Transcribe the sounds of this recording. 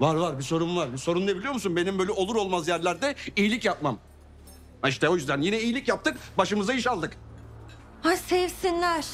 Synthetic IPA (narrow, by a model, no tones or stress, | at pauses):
vaɾvaɾbiso̞ɾunlˠaɾbiso̞ɾunnebilʲijo̞musunbe̞nimbøjlʲɛo̞lˠuɾo̞lˠmazjæɾlʲæɾd̪ɛijilʲicjap̚mam | iʃt̪ɛo̞jyzd̪ænjinɛijilʲicjap̚t̪ʰɯkbaʃɯmɯzaiʃalˠd̪ɯk | asɛvsinlʲæɾ̥